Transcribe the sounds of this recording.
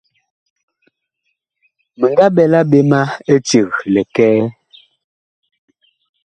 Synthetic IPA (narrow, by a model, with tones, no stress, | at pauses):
mə˨ŋɡa˦bɛ˨la˦be˦ma˦e˦t͡ʃe˨ɣlɛ˨kɛː˦